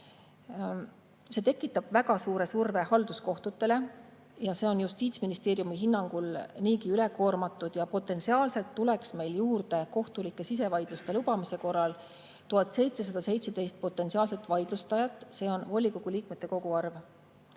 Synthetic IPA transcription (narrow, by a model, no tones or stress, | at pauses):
se̞ːt̪e̞kːˑit̪ːˑɑb̥væɡ̥ɑsuːɾe̞surve̞hɑld̪̥usko̞ht̪ut̪ːˑe̞le̞ | jɑse̞ːo̞njust̪iːt̪sminist̪eːɾjumiɦinːɑŋɡ̥ulniːkiyle̞ko̞ːrmɑt̪ːˑud̪̥jɑpo̞t̪ːˑe̞nsiɑːlse̞lt̪ːuleksme̞jljuːrd̪e̞ko̞ht̪ulikˑːe̞sis̬e̞vɑjd̪̥lust̪e̞lub̥ɑmise̞ko̞rːɑl | t̪uɦɑt̪ˑse̞jt̪se̞s̬ɑd̪̥ɑse̞jt̪se̞d̪e̞jst̪̚po̞t̪ːˑe̞nsiɑːlse̞t̪ːˑvɑjd̪̥lust̪ɑjɑt̪ːˑse̞ːo̞nvo̞lʲːiko̞ɡ̥uliːk̚met̪ːe̞ko̞ɡ̥uɑrv